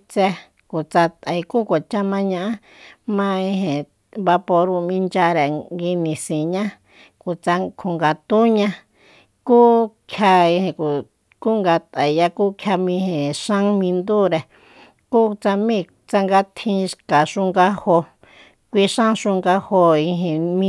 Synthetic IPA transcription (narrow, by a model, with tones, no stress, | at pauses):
t͡sɛ˧ | ku˨t͡sa˧t̪a˨i˧ku˦kʷa˨t͡ʃa˦mã˧ɲã˧ʔa˦ | mã˧ĩ˧hẽ˨ | βa˧po˧ɾũ˧mĩ˧nd͡ʒa˧ɾe˨ɡi˧nĩ˨sĩ˨ɲã˦ | ku˨t͡sa˧kʰu˨ŋɡa˨t̪u˦ɲã˧ | kuː˦kʰja˧i˧hẽ˨ku˨ | ku˦ŋɡa˧t̪a˨˧ja˧ku˦kʰja˧mĩ˧hẽ˨ʂã˦mĩ˧nd̪u˦ɾe˧˨ | ku˦t͡sa˧mĩ˦˨ | t͡sa˧ŋɡa˧t̪ʰĩ˧ʃka˨ʂu˧ŋɡa˧ho˧ | kʷi˧ʃã˦ʃũ˧ŋɡa˧ho˧i˧ɦẽ˨mĩ˧˦